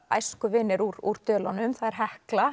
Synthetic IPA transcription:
a̰jskʏvɪnːɪɾuɾuɾ̥t̪œːlanʏmθaðɛɾ̥ɦɛhkla

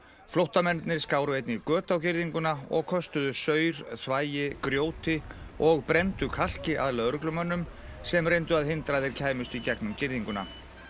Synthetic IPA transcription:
flowht̪amɛnt̪nɪɾ̥skaːwɾʏejt̪nɪɾkœːt̪awcɪɾðiŋkʏnaɔ̰ɣkʰɔst̪ʏðʏsœːɥɾ̥θvaːjɪkɾjoːwt̪ɪɔɣpɾɛnt̪ʏkʰal̥cɪaðlaðœɾklʏmœnːʏm | sɛmrejnt̪ʏaðɦɪnt̪ɾaðɪɾcʰaːjmʏst̪icɛknʏmcɪɾðiŋkʏna̰

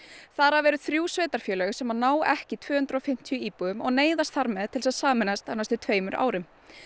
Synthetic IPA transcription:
θaɾavɛːɾʏðθɾjuːsveːt̪aɾ̥fjœːlɛsɛmanaːwɛhcɪt̪ʰvœːhʏnt̪ɾɔfɪm̥t̪ʰjʏiːpuðʏmɔɣneːjðast̪θaɾmɛðt̪ʰɪlsaðsaːmɛnast̪anːast̪ʏt̪ʰveːjmʏɾʔa̰ːwɾɪm

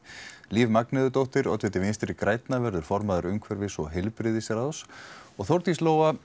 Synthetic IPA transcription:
liːvmaknɛðʏt̪owht̪ɪɾɔ̰t̪vɛt̪ɪvɪnst̪ɾɪkɾaːjt̪navɛɾðʏɾ̥fɔɾmaðaɾʏmkʰvɛɾvɪsɔɣɦɛlpɾɪðɪsɛɾaðsɔɣθowɾt̪isloːwa

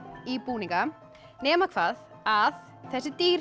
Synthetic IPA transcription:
ipuːnĩŋka | nɛːmakʰvaːð | að | θɛsɪt̪iːɾ

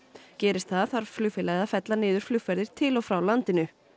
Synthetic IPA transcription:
cɛːɾɪst̪θaðθaɾ̥flʏfɪlɛɣðafɛt̪lanɪːðʏɾ̥flʏfɛɾðɪɾ̥t̪ʰɪlɔfɾawlant̪ɪnʏ

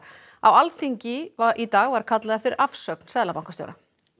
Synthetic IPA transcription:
awalθiɲcɪvaʔit̪aːɣvaɾkʰat̪laðɛft̪ɪɾafsœkn̥sɛðlapawŋkast̪jo̰wɾa

